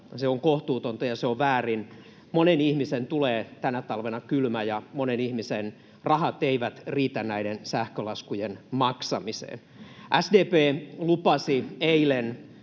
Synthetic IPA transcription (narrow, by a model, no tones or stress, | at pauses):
seoŋkoht̪uːt̪ont̪ɑjɑseoʋʋæːrin | monenihmisent̪uleːt̪ænæt̪ɑlʋenɑkylmæjɑmonenihmisen | rɑhɑt̪eiʋæt̪riːt̪ænnæiɾensæhkølɑskujenmɑksɑmisḛːn | ʔæsdeːpeːlupɑsieilen